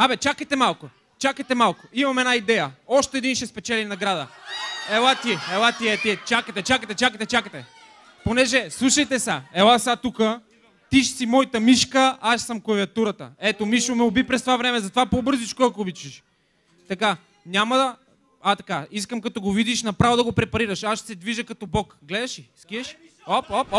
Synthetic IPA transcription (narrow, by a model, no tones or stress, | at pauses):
abɛt͡ʃakəjt̪ɛmalˠko | t͡ʃakəjt̪ɛmalˠkʊimɐmɛd̪naid̪ɛjəɔʃt̪ɛɛːd̪inʃɛspɛt͡ʃɛlinɐɡɾad̪əɛlˠat̪iɛlˠat̪iɛt̪iɛt͡ʃakət̪ɛt͡ʃakət̪ɛt͡ʃakət̪ɛt͡ʃakət̪ɛ | ponɛʒɛslˠuʃɐjt̪ɛsaɛlˠasat̪ukə | t̪iʃsimɔjt̪əmiʃkəaʃsɐmkɐviɐt̪uɾɐt̪ə̰ɛt̪omiʃomɛobipɾɛst̪ovavɾɛmɛzɐt̪ovapobɤɾzit͡ʃkoɛkobit͡ʃiʃ | t̪ɐka | nʲamɐd̪ɐ | at̪ɐkaiskəmkɐt̪ɔɡovid̪iʃnɐpɾavod̪ɐɡopɾɛpɐɾiɾɐʃaʃt̪sɛd̪viʒəkɐt̪ɔbɔkɡlɛd̪ɐʃiskiɛʃ | opɔp